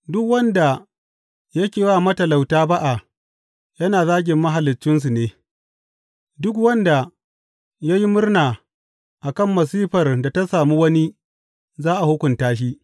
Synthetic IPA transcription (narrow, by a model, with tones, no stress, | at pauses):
dʊ˦kwɐ˦nda˨ | jɐ˦kʲeː˨waː˦˨mɐ˦tɐ˨la˨wtaː˦ba˦ʔa˨ | jɐ˦naː˨zaː˦ɡʲɪ˨mːɐ˦ɦa˨lɪ˨t͡ʃːɪ˦ns̬u˨neː˦ | dʊ˦k̬wɐ˦nda˨ | ja˦ji˦mʊ˦rnaː˨ | ʔa˨kɐ˦˨mːɐ˨s̬iː˦ɸɐ˨rda˨ta˦saː˨mu˦wɐ˦ni˦ | zaː˦ʔa˨hʊ˦kʷʊ˨ntaː˦ʃ̬i˦